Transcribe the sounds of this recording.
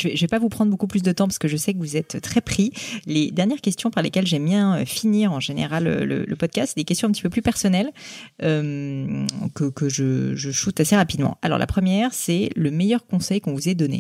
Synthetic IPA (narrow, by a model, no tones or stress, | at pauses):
ʒəvɛʒəvɛpavupχɑ̃d̪ʁbokuplys̬d̪ət̪ɑ̃paʁskəʒəsɛkəvuzɛt̪t̪ːχɛpχiled̪ɛʁnjɛʁkʲɛst̪jɔ̃paʁlekʲɛlʒɛmjɛ̃øfiniːʁɑ̃ʒenḛʁalø̰lə̰lə̰pɔd̪̚kast̪sed̪ekʲɛst̪jɔ̃ɛ̃pət̪i̥pøplypɛʁsɔnɛløm | kəkəʒəʒəʃut̪aseʁapid̪mɑ̰̃a̰lɔ̰ʁla̰pχəmjɛʁsɛləmejœʁkɔ̃sɛjkɔ̃vuzɛd̪ɔnḛ